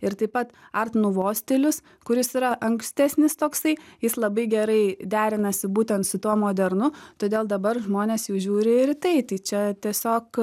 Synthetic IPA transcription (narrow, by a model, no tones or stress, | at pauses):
ɪɾt̪ɐɪpɐt̪ɐrt̪nʊʋoːsʲt̪ʲɪlʲʊs | kʊɾʲɪsiɾɐʔɐŋksʲt̪ʲæːsʲnʲɪst̪oːksɐɪjɪslˠɐbɐɪɡʲɛɾɐɪd̪ʲæːɾʲɪnɐsʲɪbuːt̪ʲɛnt̪sʊt̪uɔmoːd̪ʲɛɾnʊt̪oːd̪ʲeːlˠd̪ɐbɐrʒmoːnʲeːsjɛʊʒʲuːɾʲɪɾʲt̪ɐɪt̪ɐɪt͡ʃʲɛt̪ʲiɛsʲoːk